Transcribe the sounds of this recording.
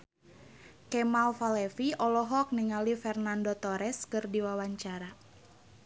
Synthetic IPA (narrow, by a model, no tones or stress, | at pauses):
kɛmalfalɛfiɔlɔɦɔk̚niŋalifɛrnandot̪ɔɾɛskɨrdiwawaɲt͡ʃaɾa